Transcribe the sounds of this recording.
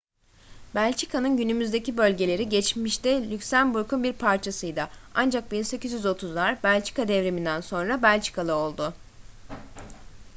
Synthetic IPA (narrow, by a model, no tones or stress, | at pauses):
bælʲt͡ʃʰikʰanɯnɟynymyzd̪e̞cibø̞lʲɟe̞lʲe̞ɾiɟɛt͡ʃmiʃt̪ɪlʲycsænbuɾkʰunbiɾpʰaɾt͡ʃʰasɯjd̪aand͡ʒak̚binse̞cyzjyzo̞t̪ʰuzlˠaɾbælʲt͡ʃʰi̥kad̪ɛvɾemind̪ænso̞nɾabælʲt͡ʃʰi̥kʰalˠɯo̞lˠd̪ʊ